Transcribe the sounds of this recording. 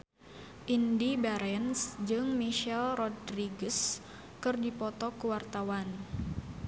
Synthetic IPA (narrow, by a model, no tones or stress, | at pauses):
ʔindibaɾɛnsd͡ʒɨŋmiʃɛlrɔdriɡəs | kɨrdipɔt̪ɔkuwart̪awan